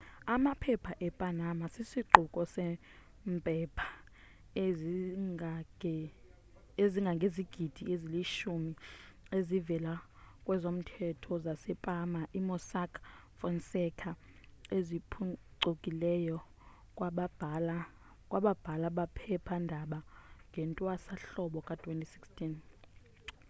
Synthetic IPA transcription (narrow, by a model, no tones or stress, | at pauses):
amapʰɛpʰaʔɛpʼanamasisiǃʱukʼɔsɛ | mpʼɛpʰḁ | eziŋɡʱaŋɡʱeziɡ̥ʱid̥ʱieziliʃumiezivɛlakʼwɛzom̩tʰɛtʰɔzasɛpʼamaʔimɔsakʰ | fɔnsɛkʰa | ezipʰuǀokʼilɛjɔ | kʼwaɓbl | kʼwaɓab̥ʱalaɓapʰɛpʰandʱaɓaŋɡʱɛntʼwasaɬɔɓɔkʼatʰwentʼisikstʰʼin